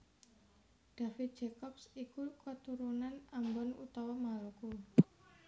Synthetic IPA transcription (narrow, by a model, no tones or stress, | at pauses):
ɖ̥a̤fit̪̚d͡ʒekɔpsikukət̪uɾunanambɔnṵt̪ɔwɔmaluku